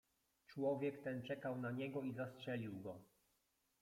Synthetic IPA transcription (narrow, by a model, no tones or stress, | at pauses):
t͡ʂwɔvʲjɛkt̪ɛnt͡ʂɛkawnaɲɛɡɔizastʂɛlʲiwɡɔ